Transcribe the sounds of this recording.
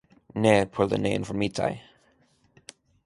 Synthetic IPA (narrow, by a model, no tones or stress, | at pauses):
nepʰʊlðə̰nẽɪ̃ɱfəmitʰa̰ɪ